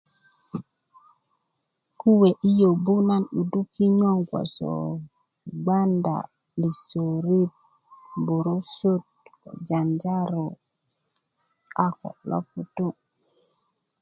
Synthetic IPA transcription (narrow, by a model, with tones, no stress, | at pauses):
ku˦we˨ʔi˦jo˨bu˦na˦nu˨du˦ki˦ɲo˦ŋɡʷo̰˨so̰˨ | ɡ͡ba˦nda̰˨ | li˨so˨ɾi˦t̚ | bo˨ɾo˦so˦t̚ | d͡ʒa˨nd͡ʒa˦ɾo˨ | a˨ko̰˨lo̰˦fu˨tu˦